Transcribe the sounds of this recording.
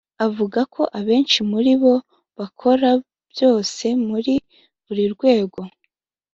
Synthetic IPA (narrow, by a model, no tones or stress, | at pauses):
avuɡakʰo̞ʔaβe̞ːnʃimuɾiβo̞ | βakʰo̞ɾa | b̥jo̞ːse̞muɾi | βuɾiɾɡwe̞ːɡo̞